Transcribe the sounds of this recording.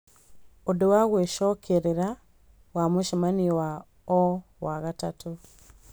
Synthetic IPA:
odewaɣweʃokʰeɾeɾa | wamuʃamaniwa | o | waɣatatu

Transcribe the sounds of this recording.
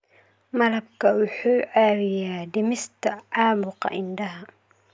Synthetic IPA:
mɐlɐb̚kʰɐwʊħuːʕaːwɪjaːd̪ɪmɪst̪ʰɐʕaːbʊqɑ̰ʔɪnd̪ɐɦɐ

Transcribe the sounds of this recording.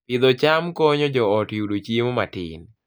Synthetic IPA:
pɪd̪ɔt͡ʃamkɔɲɔd͡ʒɔɔtjudot͡ʃiemomatɪ̰n

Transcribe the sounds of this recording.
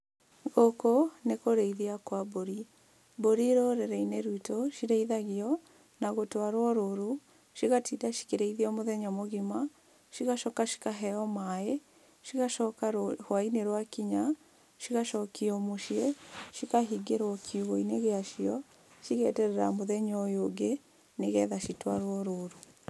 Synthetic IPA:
ɣokonekoɾeiðiakwaboɾi | boɾiɾoɾɛɾɛineɾuitoʃiɾeiðaɣiɔ | naɣotwaɾwɔɾoɾu | ʃiɣatiːdaʃi̥keɾeiðiɔmoðɛɲɔmoɣima | ʃiɣaʃɔkaʃi̥kaɦɛɔmae | ʃiɣaʃɔkaɾhwaineɾwakiɲa | ʃiɣaʃɔkiɔmoʃieʃikaɦiɡeɾwɔkʰiuɣoineɣeaʃiɔ | ʃiɣɛtɛɾɛɾamoðɛɲɔjoɡe | neɣɛðaʃitwaɾwɔɾoɾu

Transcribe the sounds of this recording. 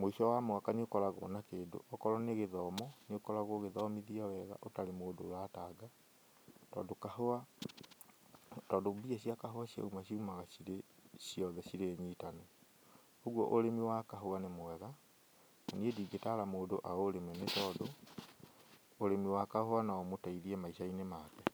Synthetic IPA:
moiʃɔwamoakaneokɔɾaɣo̰nakeːdo̰ʔɔkɔɾɔneɣeðɔmɔneokɔɾaɣoɣeðɔmiðiawɛɣa̰ʔotaɾemoːdo̰ːɾataːɡa | tɔ̰ːdokahoa | tɔːdobiaɕiakaɦoaɕja̰umaɕiumaɣaɕiɾe | ɕiɔðɛɕiɾeːɲiːtanɛ | oɣwɔ̰ʔoɾemiwakaɦoanemowɛɣa | naniediːɡetaɾamoːdoʔaoɾemɛnetɔːdo | ɾemiwakahoanaɔmotaiðiɛmaiʃainemakɛ

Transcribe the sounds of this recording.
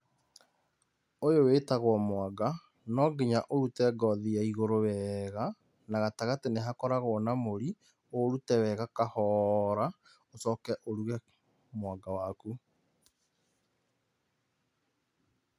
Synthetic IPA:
ojoweːtaɣwɔmwaɡa | nɔɡeɲaʔoɾutɛɡɔðiaiɣoɾowɛɣa | naɣataɣateneɦakɔɾaɣonamoɾi | oɾutɛwɛɣakahɔːɾa | osɔkɛʔoɾuɣɛ | mwaɡawaku

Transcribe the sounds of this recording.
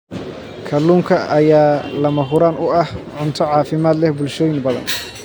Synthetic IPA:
kʰɐluːŋkʰɐʔɐjaːlɐmɐɦʊɾaːnʊɐhʕʊnt̪ʰɔʕɑːfɪmaːd̪lɛhbʊlʃɔːjɪŋbɐðɐ̰n

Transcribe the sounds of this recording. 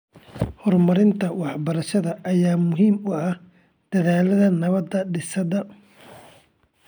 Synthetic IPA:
hɔrmɐɾɪnt̪ʰɐwɑħbɐɾɐʃɐðɐʔːjaːmʊɦiːmʊɐh | d̪̥ɐðaːlɐðɐnɐβɐd̪ːɐɖɪsɐðɐ

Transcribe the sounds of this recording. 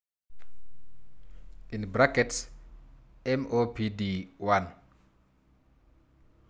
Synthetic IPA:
ʔinbɾakɛts | ɛmopidiwan

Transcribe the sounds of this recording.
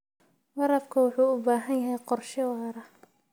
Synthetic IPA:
wɑɾɐbkʰɐwʊħuːʊbaːɦɐnjɐɦɛjqɔrʃɪwɑːɾɐ

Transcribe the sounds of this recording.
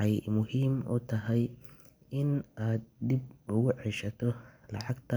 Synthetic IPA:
ɑjmʊɦiːmʊ̰t̪ʰɐɦɛj | ɪnʔaːd̪̚d̪ib̚ʊɣʊʕɛʃɐt̪ʰɔlɑʕɑɡt̪ʰɐ

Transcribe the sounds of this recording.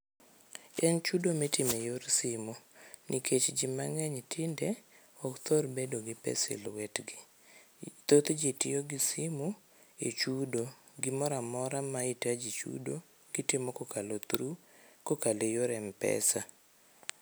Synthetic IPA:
ɛnt͡ʃudometɪmejoɾsɪmonʔikʰet͡ʃd͡ʒima̰ŋɛɲtʰɪndɛ | ɔkt̪orbedoɡɪpɛ̰sɪ̰lwɛtɡɪ | t̪ot̪d͡ʒetɪ̰joɡisimu | ḛt͡ʃudo | ɡɪmɔɾamɔɾamaitad͡ʒit͡ʃṵdo | ɡ̥ɪtɪmokokalot̪ɾukokalejoɾɛmpɛ̰sa

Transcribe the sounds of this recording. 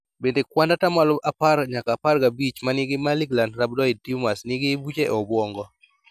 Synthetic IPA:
bendekwandatamaloʔaparɲakaparɡabit͡ʃmanɪɡɪmaliɡlandɾab̚dɔɪd̚timasnɪɡɪbut͡ʃeʔɔbwɔŋɡɔ

